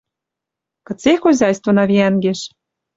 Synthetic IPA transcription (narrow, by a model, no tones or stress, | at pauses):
kɤ̆t͡sexozʲɑjst̪ŏnɑβʲiænɡeʃ